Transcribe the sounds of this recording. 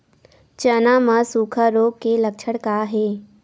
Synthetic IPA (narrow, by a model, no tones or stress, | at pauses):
t͡ʃənamãsuːkʰaɾoːɡkelək̚t͡ʃʰəɽkaɦeː